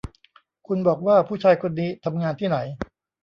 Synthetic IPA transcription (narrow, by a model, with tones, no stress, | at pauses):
kʰu˧nbɔː˨˩k̚waː˥˩pʰuː˥˩t͡ɕʰaː˧jkʰo˧nːiː˦˥t̪ʰa˧mŋaː˧nt̪ʰiː˥˩na˩˦j